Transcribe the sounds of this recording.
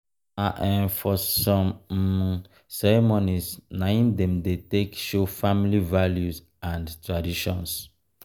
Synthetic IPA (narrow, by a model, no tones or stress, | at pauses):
aʔɛ̃nfɔsɔ̃m | sɛɹɛmonisnaĩndɛ̃mdetekʃofamilivaljus | ãndtɹadiʃɔ̰̃ns